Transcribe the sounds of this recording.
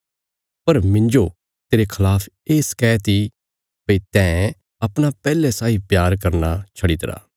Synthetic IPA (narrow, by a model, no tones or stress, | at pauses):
pɐɾmɪ̃ɲd͡ʒo | t̪eːɾekʰɐlaːpʰ | eːskɛːt̪i | pəit̪ɛ̃ | ɐpɽ̃apɛːlɛsaːipjaːɾkɐɾnat͡ʃʰɐɽit̪ɾa̰ː